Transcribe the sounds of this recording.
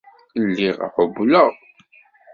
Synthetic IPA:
lːiʁ̰ħʊbləʁ

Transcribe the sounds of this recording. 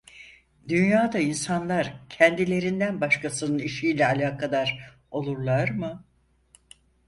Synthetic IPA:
d̪ynjaːd̪ainsanlˠaɾcʰɛnd̪ilʲe̞ɾind̪ænbaʃkʰasɯnɯniʃiːlʲɛalʲaːkʰad̪aɾ | o̞lˠuɾlˠaɾmɯ

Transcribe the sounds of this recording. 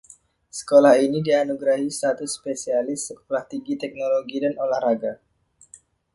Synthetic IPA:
sə̥kolahinidianuɡɾahist̪at̪uspesialɪsək̚olaht̪iŋɡit̪ɛk̚noloɡidanolahraɡa

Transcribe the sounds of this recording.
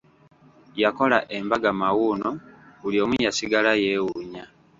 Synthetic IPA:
jako̞laʔe̞mbaɡamawunouljo̞ːmuɲasiɡalaje̞ːwuɲa

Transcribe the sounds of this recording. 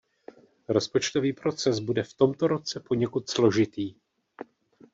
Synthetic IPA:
ɾo̞spot͡ʃt̪o̞viːpɾo̞t͡sɛsbudɛft̪o̞mt̪o̞ɾo̞t͡sɛpo̞ɲɛkut̪slo̞ʒɪt̪iː

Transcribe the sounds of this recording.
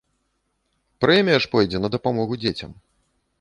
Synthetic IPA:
pɾɛmʲijɐʂpɔjd͡zʲɛnɐd̪ɐpamɔɣud͡zʲet͡sʲɐ̰m

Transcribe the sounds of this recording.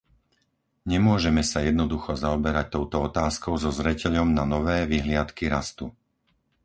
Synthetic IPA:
ɲɛmʊɔʒɛmɛsajɛd̪nɔd̪uxɔzaɔbɛɾac̚t̪ɔʊt̪ɔɔt̪aːskɔʊzɔzɾɛcɛʎɔmnanɔʋɛːʋiɦlɪat̪kiɾast̪u

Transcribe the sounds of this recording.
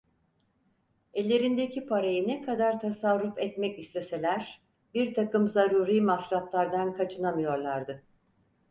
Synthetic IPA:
ɛlʲːe̞ɾind̪ecʰipʰaɾajɯnɛkʰad̪aɾt̪ʰasaɾːufɛt̪mɛcislʲe̞se̞lʲæɾ̥ | biɾt̪ʰakɯmzaɾuːɾiːmasɾaplˠaɾd̪ankʰat͡ʃʰɯnamɯjo̞ɾlˠaɾd̪ɯ

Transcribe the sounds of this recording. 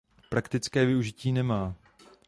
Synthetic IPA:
pɾakt̪ɪt͡skɛːvɪuʒɪciːnɛmaː

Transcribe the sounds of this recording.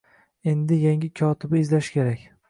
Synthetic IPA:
e̞nd̪ɪjaŋʲɪkʲʰɒt̪ʰɪbɪɪzlaʃɪ̥kʲʰe̞ɾakʲ

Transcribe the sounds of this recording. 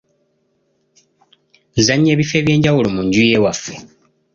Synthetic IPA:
nzaɲːe̞ːβife̞ːβje̞ːɲɟawulomuɲɟuje̞wafe

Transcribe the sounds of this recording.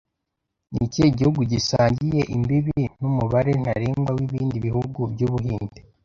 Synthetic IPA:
niceiɟihuɡuɟisaːɲɟije̞ʔimbiβin̥umuβaɾe̞n̥haɾeːmɡwawiβiːndiβihuɡubɟuːβuɦiːnte

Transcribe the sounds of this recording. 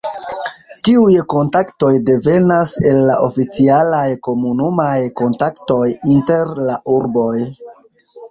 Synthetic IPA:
tiujko̞ntakto̞jde̞ve̞nase̞lːa̰ʔo̞fit͡sialajko̞munumajko̞ntakto̞jinte̞ɾlaʔuɾbo̞j

